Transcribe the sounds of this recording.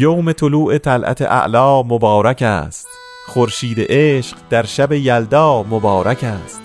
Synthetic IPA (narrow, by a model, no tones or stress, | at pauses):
jowme̞t̪ʰoluːʔe̞t̪ʰælʔæ̰t̪ʰḛʔæ̰ʔlɒːmobɒːɾækʰæ̰ːst̪ | χoɾʃiːd̪ḛʔeːʃɢd̪̥æɾʃæbe̞jæld̪ɒːmobɒːɾʔækʰæːst̪